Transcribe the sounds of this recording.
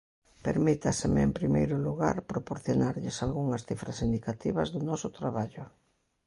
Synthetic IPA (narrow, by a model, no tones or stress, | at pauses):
peɾmit̪asɪmɪḛmpɾimejɾʊluɣa̰ɾpɾopoɾθjonaɾʎɪsalɣuŋɐsθifɾasind̪ikat̪iβɐzðʊnɔsʊt̪ɾaβaʎʊ